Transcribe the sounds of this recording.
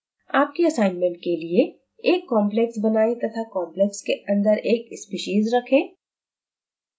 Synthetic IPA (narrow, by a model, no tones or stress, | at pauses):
aːp̚kiɐsaːɪnmɛ̃ɳʈ̚kelie | eːkːɔːmplɛksbɐnaːit̪ɐt̪ʰakɔ̃ːmplɛkskeɐ̃nd̪əɾeːkɪspiʃiːzɾɐkʰẽː